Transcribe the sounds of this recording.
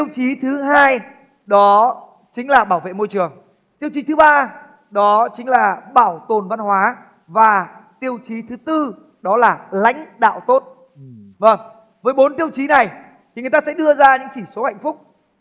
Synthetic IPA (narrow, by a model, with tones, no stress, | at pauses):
t̪i˧əwt͡ɕi˨˦t̪ʰɨ˨˦ɦaː˧j | ɗɔ˨˦ | t͡ɕï˨˦ŋ̟laː˨˩ɓaː˧˩wvḛ˧˨mo˧jt͡ɕɨ˨˩əŋ | t̪i˧əwt͡ɕi˨˦t̪ɨ˨˦ɓaː˧ | ɗɔ˨˦t͡ɕï˨˦ŋ̟laː˨˩ɓaː˧˩wt̪o˨˩nva˧nhwaː˨˦ | vaː˨˩t̪i˧əwt͡ɕi˨˦t̪ʰɨ˨˦t̪ɨ˧ | ɗɔ˨˦laː˨˩la̰˧˥jŋ̟ɗa̰ː˧˨wt̪o˦˥t̚ | və˨˩ŋ | vəː˨˦jɓo˨˦nt̪i˧əwt͡ɕi˨˦na˨˩j | tt̪ʰi˨˩ŋ˨˩jt̪aː˧sɛ̰˧˥ɗɨ˧əzaː˧ɲɨ̰˧˥ŋt͡ɕi˧˩so˨˦ha̰˧˨jŋ̟fʊ˦˥k͡p̚